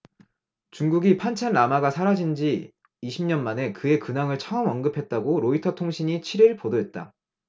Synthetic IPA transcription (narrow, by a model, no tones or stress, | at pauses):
t͡ɕuŋɡuɡipʰant͡ɕʰanːamaɡasʰaɾad͡ʑind͡ʑi | iɕʰimɲʌnmane̞kɯe̞kɯnaŋɯɭt͡ɕʰʌʌmʌnɡɯpʰe̞t̚t͈aɡoɾoitʰʌtʰoŋɕʰiɲit͡ɕʰiɾiɭpodoɦe̞t̚t͈a̰